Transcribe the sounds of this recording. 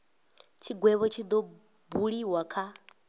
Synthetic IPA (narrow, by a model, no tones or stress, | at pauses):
t͡ʃʰiɡwɛβɔt͡ʃʰid̪ɔ | buɺiwakʰa